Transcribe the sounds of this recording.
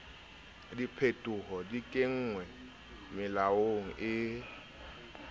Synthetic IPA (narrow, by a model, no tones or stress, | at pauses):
dipʰetʼʊhɔdikʼɪŋ̩ːŋwɛ | mɪlaoŋ̩ʔɪ